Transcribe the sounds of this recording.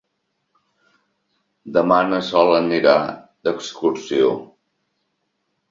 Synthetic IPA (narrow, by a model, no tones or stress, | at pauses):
d̪əmanəsɔləniɾa̰ | d̪əkskuɾsio